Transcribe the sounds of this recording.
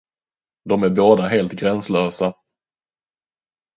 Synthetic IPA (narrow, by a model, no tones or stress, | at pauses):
d̪ɔmæɾboːd̪aɦeːlt̪ɡɾɛnslœːsa